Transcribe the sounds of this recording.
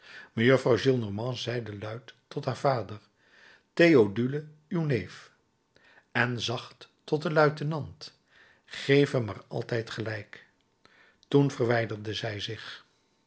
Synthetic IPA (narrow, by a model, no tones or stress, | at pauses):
məjøfrɑwʒilˠnɔɹmɑ̃zɛjdəlœɥtː | ɔtɦaːɹvaːdəɹ | tejodylə | ywnejf | ɛnzɑχtː | ɔt̚dəlœɥtənɑnt | χejfəma̰ːrɑ̰lˠtɛjtχəlɛjk | tunvərʋɛjdərdəzɛjzɪχ